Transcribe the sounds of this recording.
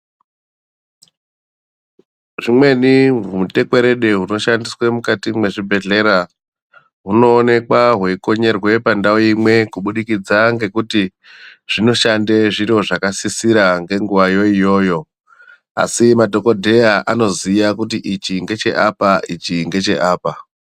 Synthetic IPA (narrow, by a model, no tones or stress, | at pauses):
ʐimwe̞niɦumute̞kwe̞ɾe̞ɗe̞ɦuno̞ʃandiswemukatimwe̞ʐibʱe̞ɮe̞ɾa | ɦuno̞ːne̞kwaɦweiko̞ɲe̞rwe̞pandaoimwe̞kuɓuɗikid͡zaŋɡe̞kuti | ʐ̥ino̞ʃandeʐiroʐakasisiɾaŋɡe̞ŋɡuʋajo̞ijo̞ːjo̞ | a̰simadʱo̞ko̞dʱe̞jaʔano̞zijakut̬iʔit͡ʃiŋɡe̞t͡ʃe̞̰ʔa̰paʔit͡ʃiŋɡe̞t͡ʃe̞ʔaːpa